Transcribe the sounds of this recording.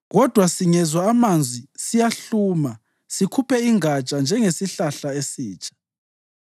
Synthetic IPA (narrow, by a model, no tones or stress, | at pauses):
ɣɔd̥ʱwasiŋɛzwaːmand͡zʱwisijaɬuːma | sikʰupʰɛiŋat͡ʃʼand͡ʒʱɛŋesiɬaɬaesiːt͡ʃʼḁ